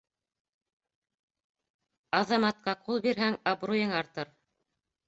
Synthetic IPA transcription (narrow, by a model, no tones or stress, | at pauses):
ɑðɑmɑt̪̚qɑqulˠbiɾɦæŋɑbrujɤŋɑɾt̪ɤɾ